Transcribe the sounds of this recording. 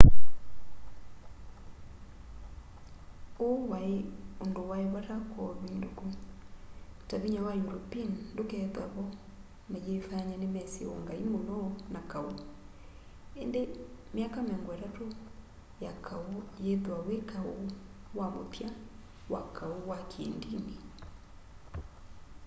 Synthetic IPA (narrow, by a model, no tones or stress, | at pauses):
owaeondowaeβaɾakwɔβindoku | taβiɲawajuɾopindokɛðwaβɔ | mejefaɲɛnemɛseɔ̰ŋɡaimonɔnakao | endemeakamɛŋɡwɛɾato | jakʰaojeðwawekʰaowamopja | wakʰaowakʰḛːndini